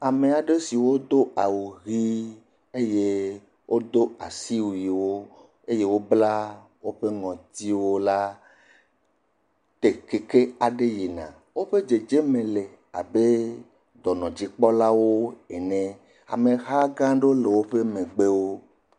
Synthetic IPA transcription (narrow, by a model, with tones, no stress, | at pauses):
a˨me˨a˨ɖe˦si˨wo˦d̪o˦a˨wu˨ɣi˦ | e˦je˦ | wʔo˦d̪o˦a˨si˦wi˨wo˦ | e˦je˦wo˦bla˦ | wo˦ɸe˦ŋɔ̃˨t̪i˦wo˦la˦ | t̪e˨ke˨ke˦a˨ɖe˦ji˨nã̰˨ | wo˦ɸe˦d͡ʒe˨d͡ʒe˦mẽ˨le˨ | a̰˨be˦ | d̪ɔ˨nɔ̃˨d͡ʑi˦k͡pɔ˦la˦wo˦e˨nẽ˨ | a̰˨me˨ɦa˦ɡã˦ɖe˦o˦le˨wo˦ɸe˦mẽ˨ɡ͡be˦wo˦